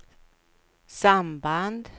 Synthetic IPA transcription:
samband̪

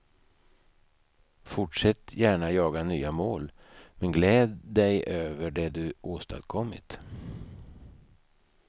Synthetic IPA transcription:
fʊʈʂɛt̪ːjæːɳajɑːɡanyːamoːlmɛnɡlɛːd̪d̪ɛjʔøːvəɖɛd̪ɵʔoːst̪a̰d̪kʰɔmːɪ̰t̪

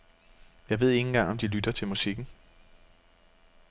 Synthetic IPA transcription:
jɑ̈ɪʋe̝ð̞̰ˠe̝ŋn̩ɡ̥ɑ̈ŋɒ̽md̥ilyd̥ɐt͡sʰe̝lmusiɡ̥n̩

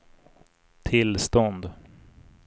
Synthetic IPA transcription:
t̪ʰɪlst̪ɔnd̪

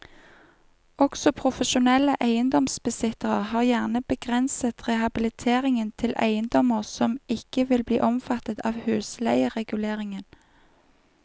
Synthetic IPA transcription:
ɔksɔpʰʁʊfəʃʊnɛləʔæɪənd̪ɔmsbəsɪt̪əʁəhɑːʁjæʁnəbəɡʁɛnsət̪ʁɛhɑbɪlɪt̪ʰeːʁɪŋənt̪ʰɪlæ̰ɪənd̪ɔməʁsɔmɪkəʋɪlbliːʔɔmfɑt̪ət̪ɑːʋhʉːslæɪəʁɛɡʉleːʁɪŋən

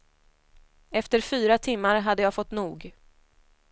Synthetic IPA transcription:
ɛft̪əɾfyːɾat̪ʰɪmːaɾɦad̪ːəjɑːfɔt̪ːnuːɡ

